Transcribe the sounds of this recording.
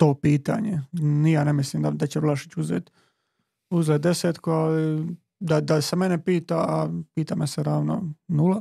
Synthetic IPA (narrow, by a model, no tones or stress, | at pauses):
t̪o̞ːpiːt̪a̰ɲenijaːnemislimd̪ad̪at͡ɕeʋlˠaʃit͡ɕuzeːt̪ | uzeːt̪̚d̪e̞seːt̪koali | d̪ad̪asemenepiːt̪aapiːt̪ameseɾaːʋno̰nula